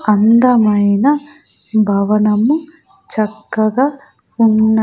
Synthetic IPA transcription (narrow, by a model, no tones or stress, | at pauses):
ɐnd̪ɐmɐjnɐ | bʱɐʋɐnɐmːu | t͡ʃɐkːɐɡaː | unːɐ